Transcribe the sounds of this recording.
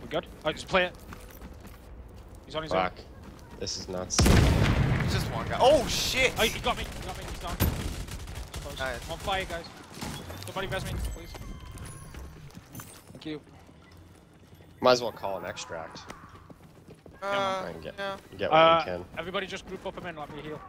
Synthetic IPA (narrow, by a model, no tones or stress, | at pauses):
wiɡʊd̥̚ | ad͡ʒʌspʰl̥eɪɨt̚ | hiz̃n̩izʌk | ðɪsɨznətsɪi̥d͡ʒʌstwɑ̃nɡaɪʔoʊʃɪtohiɡɑt̚mihiɡɑt̚miizdɑ̃n | pʰoʊzwõnpʰl̥eɪɨɡ̥aɪz̥soʊbɑɾivɛzmipʰl̥iz̥ | θæ̃ŋkjʉ | mãɪzwɛlˠkʰɔlˠə̃nɛ̰kstɹ̥æ̰k̚t̚ | a̰ɪn̩ɡɛɡɛ̰ʔ̚ʌkʰɨ̃nɛvɹibɑɾid͡ʒʌsɡ̥ɹʉpʌpə̃mɪ̃n̩lɛt̚mihilˠ